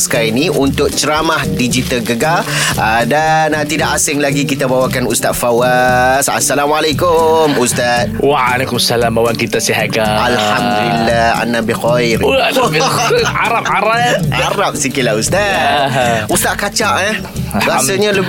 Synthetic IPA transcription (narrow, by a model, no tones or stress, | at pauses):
sə̥kaɾinĩʔunt̪ʊk̚t͡ʃəɾamahdid͡ʒit̪alɡəɡalədanat̪idaʔasɪŋlaɡikit̪abawakanust̪at̪̚fawasa̰sːalamalakʊmust̪at̪̚waalakumsalamawaŋkit̪asiɦaɡaalhamd̪ullːaa̰nːabixɔjɾ | aɾap̚aɾapaɾap̚sikɪlaust̪a | ust̪at̪̚kat͡ʃaʔɛh | bəasaɲalə